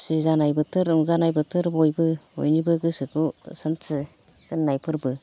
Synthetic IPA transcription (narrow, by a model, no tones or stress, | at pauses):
sizanajbɯtʰɯɾɔŋzanajbɯtʰɯɾbɔjbɯo̰jnibɯɡɯsɯkusantʰɯ | tɯnːajpʰɯɾbɯ